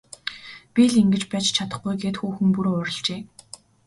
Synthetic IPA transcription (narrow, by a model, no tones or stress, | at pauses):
pʲiɮiŋɡɘ̆t͡ɕpæːt͡ɕt͡ɕʰat̪ə̆χɡujɡeːt̪xuːxɘ̆ŋpuɾoːʊɾʲɪ̆ɮt͡ɕeː